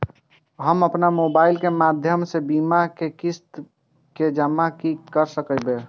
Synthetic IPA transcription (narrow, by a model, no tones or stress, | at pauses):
ɦəməpnamobailkemad̪ʱjəmsebimakekist̪ | ked͡ʒəmːakikəɾsəkəbe